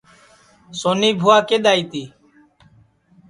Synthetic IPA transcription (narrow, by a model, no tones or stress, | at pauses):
soːniːbʱoːaːkeːɗ̪aːiːt̪iː